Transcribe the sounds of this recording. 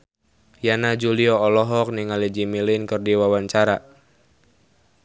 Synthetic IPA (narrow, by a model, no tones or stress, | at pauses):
janad͡ʒuliɔɔlɔɦɔk̚niŋalid͡ʒimilɪnkərdiwawaɲt͡ʃaɾa